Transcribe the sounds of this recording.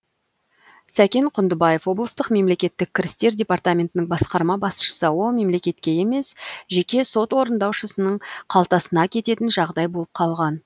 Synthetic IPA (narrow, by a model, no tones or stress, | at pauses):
sækʲe̞ɴqʰʊnd̪əbɑje̞fwo̞blˠəst̪əqme̞mle̞kʲe̞t̪ːɪk̚ʲʰːɪɾɪst̪e̞ɾdʲepart̪amʲe̞nt̪ɪnɪŋbɑsqɑɾmɑbɑsʃə̥səwo̞me̞mle̞kʲe̞t̪kʲe̞je̞me̞sʒe̞kʲe̞so̞t̪wo̞ɾənd̪ɑwʃəsənəɴqʰɑlˠt̪ɑsənɑkʲʰe̞t̪e̞t̪ɪnʒɑʁd̪ɑjbo̞lˠəp̚qʰɑlˠʁɑn